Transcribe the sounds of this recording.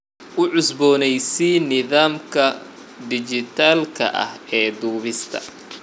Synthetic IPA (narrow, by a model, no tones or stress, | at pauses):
ʔʊʕʊsbɔːnɛjsinɪðaːmkʰɐ | d̪ɪt͡ʃɪt̪ʰaːlkʰɐ̰ʔɐ̰hɛːd̪uːβɪst̪ʰɐ̰